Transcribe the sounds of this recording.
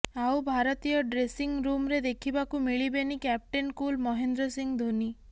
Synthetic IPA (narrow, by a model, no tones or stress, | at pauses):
awbʱaɾɔt̪ijɔɖɾesiŋɾumɾed̪ekʰibakumiɭibenikɛp̚ʈenkulmɔɦend̪ɾɔsiŋɡd̪ʱoni